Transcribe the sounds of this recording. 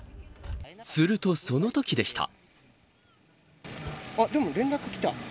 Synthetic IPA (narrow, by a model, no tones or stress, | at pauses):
sɨɾɯ̟t̪o̞so̞no̞t̪o̞kʲid̪e̞ɕi̥t̪ʰa̰ | ad̪omoɾẽ̞nɾakɯ̟kʲi̥t̪a̰